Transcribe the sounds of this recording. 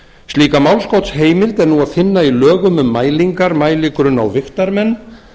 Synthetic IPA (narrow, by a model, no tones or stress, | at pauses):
st̪liːkamawlskowt̪sɦeːjmɪlt̪ɛɾnuaðfɪnːailœːɣʏmʏmːaːjliŋkaɾmaːjliːkɾʏna̰wvɪxt̪aɾmɛnː